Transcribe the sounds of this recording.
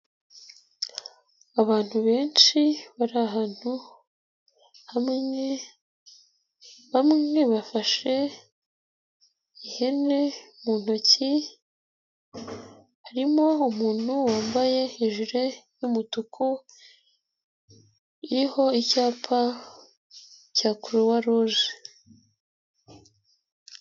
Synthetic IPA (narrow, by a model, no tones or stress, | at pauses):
aβaːn̥huβe̞ːnʃiβaɾaɦaːn̥hu | hamŋŋe̞ | βamŋe̞βafaʃe̞ | ihe̞ne̞muːn̥oci | haɾimoumuːn̥huwaːmbaje̞iʒuɾe̞jumutukʰu | iho̞icaːpʰa | caːkuɾowaɾoʒe